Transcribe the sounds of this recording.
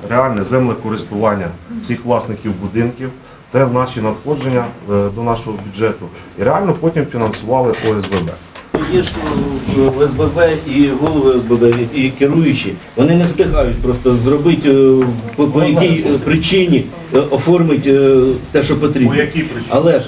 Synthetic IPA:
ɾeɑlʲnɛzɛmlˠɛkɔɾɪst̪ʊʋɑnʲːɐw̥sʲixʋlˠɑsnɪkʲiwbʊd̪ɪnkʲiw | t̪sɛnɑʃinɐt̪xɔd͡ʒenʲːɐd̪ɔnɑʃɔɦɔbʲud͡ʒɛt̪ʊ | iɾeɑlʲnɔpɔtʲimfʲinɐnsʊʋɑlˠɪʔuɛzbɛbɛ̰ | ɔjiʃ | ɛzbɛbɛiɦɔlˠɔʋʊɛzbɛbɛikɪɾujʊt͡ʃi | ʋɔnɪnɛst̪ɪɦɑjʊtʲpɾɔst̪ɔzrɔbɪtʲpɔpɔjɐkʲijjpɾɪt͡ʃɪnʲi | ɔfɔrmɪtʲt̪ɛʃɔpɔt̪ɾʲibɔjɐkʲipɾɐlˠɛ

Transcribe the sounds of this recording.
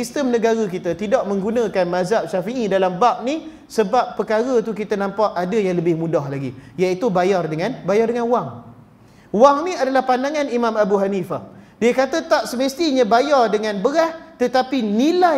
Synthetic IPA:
sist̪əmnəɡaɾakit̪at̪idaʔmə̃ŋɡunə̃kanmazaʔ̚ʃafiʔidalambap̚ni | səbapːəkaɾət̪ukit̪anãmpaʔadajaŋləbɪhmũdahlaɡijait̪ubajardəŋãnbajardəŋanuwaŋ | waŋnĩadalahpandaŋãnimãmabuɦanifahdiəkat̪at̪aʔ̚səməst̪iɲãbajardəŋãnbəɾaht̪ət̪apinila

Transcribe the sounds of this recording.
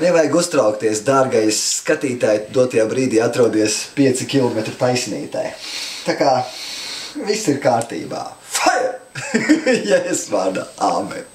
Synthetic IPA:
nɛvajɡust̪ɾawkt̪iɛsd̪aːɾɡajisːkat̪iːt̪aːjd̪uɔt̪ajaːbɾiːd̪iːat̪ɾuɔd̪iɛspʲiɛt̪sikʲilˠɔmɛt̪ɾut̪ajsʲnḭːt̪a̰jt̪akaː | visiɾkaːɾt̪ḭːba̰ːfaj | jaesʋaːɾd̪a̰a̰ːmɛ̰

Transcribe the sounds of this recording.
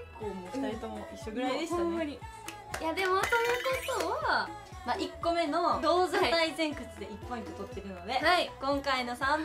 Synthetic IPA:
koːɲiaɾit̪omoiɕːoɡɯɾaid̪esiaɲi | jad̪e̞mo̞so̞jɯko̞t̪o̞βa | maʔikːo̞me̞no̞d̪oːzat̪aizẽ̞ŋkɯ̟t͡sɨd̪e̞ipːõĩk̪ot̪o̞t̪ːe̞ɾɯ̟no̞d̪e̞haikõ̞ŋkaino̞sã

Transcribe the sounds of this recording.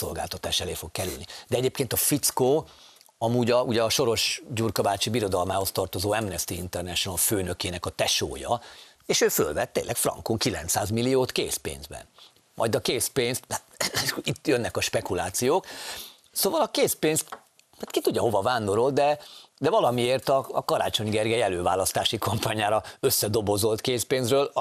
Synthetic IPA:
so̞̰lɡa̰ːlt̪ɒt̪aːʃɛleːfo̞kkɛly̰lnid̪ɛɛɟeːpkeːnt̪ɒfit̪skoː | ɒmuːɟɒuɟɛɒʃo̞ɾo̞ʃɟuːrkɒbaːt͡ʃibiɾo̞d̪ɒlmaːho̞st̪ɒrt̪o̞zoːɛmnɛst̪iḭnt̪ɛrnɛʃonɒlføːnøkeːnɛkɒt̪ɛʃo̰ːjɒ̰ | eːʃøːfø̰lvɛt̪ːḛːnlːʔɛkfrɒ̰ŋkoŋkilɛ̰nt̪saːzmilːijoːt̪kḛːspḛːnzbɛ̰n | mʔɒ̰jd̪ɒkeːspeːnst̪ː | it̪ːjønːɛkɒʃpɛkulaːt̪sijoːk | soːvɒlɒkeːspeːnst̪ | at̪kit̪uɟːɒɦo̞vɒvaːnd̪o̞ɾo̞ld̪ɛd̪ɛvɒlɒmieːrt̪ɒ̰ːkɒɾa̰ːt͡ʃo̞ɲɡɛrɡɛjɛløːvaːlɒst̪aːʃikompaːɲaːɾɒøsːɛd̪o̞bo̞zo̞lt̪keːspeːnzrøːl

